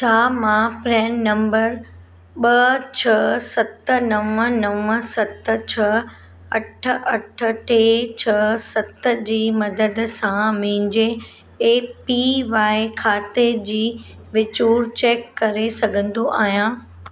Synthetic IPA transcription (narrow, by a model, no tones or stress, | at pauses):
t͡ɕʰaːmãpɾɛːnːɐ̃mbəɾ | ɓɐt͡ɕʰɐsɐt̪ənɐʋə̃nɐʋə̃sɐt̪ə̆t͡ɕʰɐ | ɐʈʰə̆ʔɐʈʰə̆ʈeːt͡ɕʰɐsɐt̪ə̆d͡ʑiːmɐd̪əd̪sãmɪɪ̃ɲd͡ʑe | eːpiʋaːɪkʰaːt̪ed͡ʑiːʋɪt͡ɕuːɾt͡ɕeːkːɐɾesɐɡʱə̃nd̪oʔaːɦijã